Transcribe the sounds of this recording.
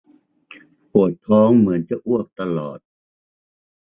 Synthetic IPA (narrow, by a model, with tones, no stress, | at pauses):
pu˨˩ət̪ʰːɔː˦˥ŋmɯ˩˦ənt͡ɕa˨˩ʔu˥˩ək̚t̪a˧lɔː˨˩t̪̚